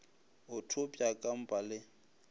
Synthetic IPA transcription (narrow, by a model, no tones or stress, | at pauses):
ʊtʰopʼjakʼam̩pʼalɪ